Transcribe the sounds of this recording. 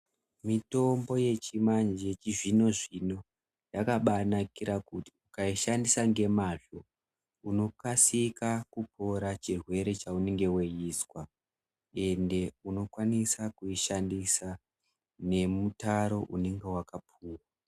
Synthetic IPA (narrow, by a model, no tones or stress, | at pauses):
mito̞mbo̞je̞t͡ʃimand͡ʒet͡ʃiʐino̞ʐino̞ | jakaɓanakiɾʔakuti̥ukaiʃandisaŋɡe̞maʐo̞ | uno̞kasikakupʰo̞ɾat͡ʃirwe̞ɾe̞t͡ʃaune̞ŋɡe̞wejiːswa | e̞nde̞uno̞kwanisakuiʃandisa | ne̞mutaɾo̞ʔune̞ŋɡe̞wakapʰuːwa